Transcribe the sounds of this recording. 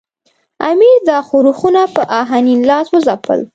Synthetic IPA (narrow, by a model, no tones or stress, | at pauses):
a̰miɾd̪ɑxoɾuxunapəʔaɦaninlɑswəzapə̰l